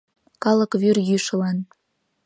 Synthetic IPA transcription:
kɑlə̆kβyrjyʃə̆lɑn

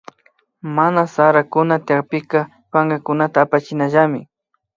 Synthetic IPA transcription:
manasaɾakʊnat̪ɪjaχpɪka | paŋɡakʊnat̪aːpat͡ʃɪnaʒamɪ

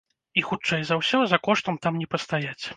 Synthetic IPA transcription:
ixut͡ʂɛjzɐwsʲɔzɐkɔʂt̪ɐmt̪amnʲɛpɐst̪ajat͡sʲ

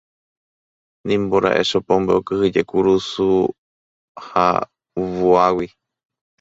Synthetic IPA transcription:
nĩmboɾa̰ʔḛʃopõmbeokɨhɨd͡ʒekuɾusu | ha̰ | βuawi

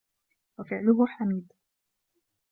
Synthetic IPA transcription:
wafɪʕlʊɦʊħamiːd̪

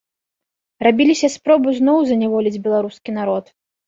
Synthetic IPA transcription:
rabʲilʲisʲɐspɾɔbɨznɔwzɐnʲavɔlʲid͡zʲbʲɛlˠaɾuskʲinaɾɔt̪

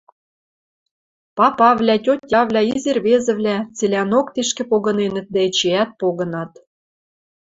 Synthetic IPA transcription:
pɑpɑβlʲætʲot̪ʲːɑβlʲæizerβezɘ̆vlʲæt͡selʲænokt̪eʃkĕpoɣɤ̆nenɘ̆t̪̚d̪æĕt͡ɕeæt̪̚poɣɤ̆nɑt̪

